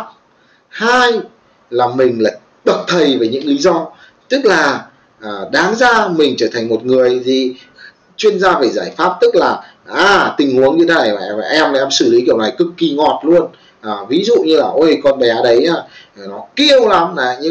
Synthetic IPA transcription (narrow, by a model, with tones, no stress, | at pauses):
haː˧j | laː˨˩mï˨˩ŋ̟la̰ː˧˨j | ɓə˨˩t̚t̪ʰə˨˩jvəː˨˩jɲɨ̰˧˥ŋli˨˦zɔ˧ | t̪ɨ˦˥k̚laː˨˩ | ʔːɗaː˨˦ŋzaː˧mï˨˩ŋ̟t͡ɕəː˧˩t̪ʰa˨˩ŋ̟mo˨˩t̚ŋɨ˨˩əjzi˨˩ | t͡ɕwi˧ənzaː˧veː˨˩zaː˧˩jfaː˦˥p̚t̪ɨ˦˥k̚laː˨˩ | ʔaː˧˩t̪ï˨˩ŋ̟hu˨˦əŋi˧˦naː˧˩ja̰ː˨˧˩va̰ː˨˩ʔɛ˧ma˧˨ɛ˧msɨ˧˩li˨˦ki˧˩əwna˨˩jkɨ˨˩kːi˨˩ŋɔ˨˩t̚lu˧ən | ʔəː˨˩vi˨˦zṵ˧˨ɲɨ˧laː˨˩ʔo˧jkɔ˧nɓɛ˨˦a˧ɗə˨˦jʔaː˧˩˨nɔ˨˦ki˧əwla˨˦mnaː˨˩ɲɨ̰˧˥